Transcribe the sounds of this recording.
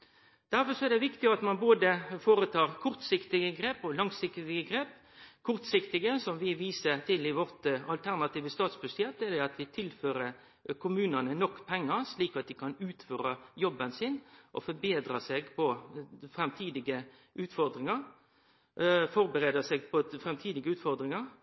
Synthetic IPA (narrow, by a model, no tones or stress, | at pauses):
d̪̥æɾfɔɾsɔɛd̪ɛʋɪkt̪ɪɡɑt̪mɑnboːd̪əfoːɾət̪ʰɑːɾkʰʊɾt̪sɪkt̪ɪɡəɡɾeːpɔlɑŋsɪkt̪ɪɡəɡɾeːp | kʰʊɾt̪sɪkt̪ɪɡəsɔmʋɪʋiːsəɾt̪ʰɪlɪʋɔɾt̪ɑlt̪ʰæɾnɑt̪iːʋəst̪ɑːt̪sbʉsjɛt̪̚ːɛd̪ɛɑt̪ʋɪt̪ʰɪlføːɾə | kʰʊmʉːnənənɔkːpʰɛŋːəɾsliːkɑt̪̚d̪ɪkʰɑnʉːt̪føːɾɑjɔbːənsɪnʔɔ̰fɔɾbeːd̪ɾɑsɛɡpʰɔfɾɛmt̪ʰiːd̪ɪɡə | ʉːt̪fɔɾd̪ɾɪŋɑɾ | fɔɾbəɾeːd̪əsɛɡpʰɔfɾɛmt̪ʰiːd̪ɪɡəʉːt̪fɔɾd̪ɾɪŋɑɾ